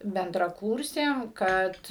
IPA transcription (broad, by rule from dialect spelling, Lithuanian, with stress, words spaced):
bʲɛndrɐˈkuːrʲsʲeːm ˈkɐt